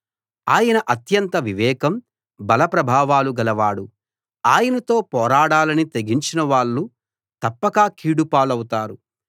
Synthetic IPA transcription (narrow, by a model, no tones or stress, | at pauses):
aːjɐnɐʔɐt̪jɐnt̪ɐʋiʋɛːkɐm | bɐlɐpɾɐbʱaːʋaːluɡɐlɐʋaːɽu | aːjɐnɐt̪o̞ːpɔːɾaːɽaːlɐnit̪eɡiɲt͡ʃinɐʋaːɭːu | t̪ɐpːɐkaːkʰiːɽupaːlɐwut̪aːɾu